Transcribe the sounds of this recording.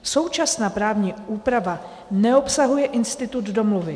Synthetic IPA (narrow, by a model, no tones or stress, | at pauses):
so̞wt͡ʃasnaːpɾaːvɲiːuːpɾava | nɛo̞psaɦujɛʔɪnst̪ɪt̪ud̪do̞mluvɪ